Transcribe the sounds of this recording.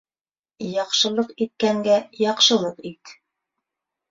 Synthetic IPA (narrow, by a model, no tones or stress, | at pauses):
jɑqʃɤ̆lˠɤqit̪̚kæŋɡæjɑqʃɤ̆lˠɤqit̪